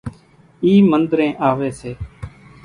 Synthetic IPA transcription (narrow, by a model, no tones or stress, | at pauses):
iːmənd̪ɾẽːʔaːʋeːseː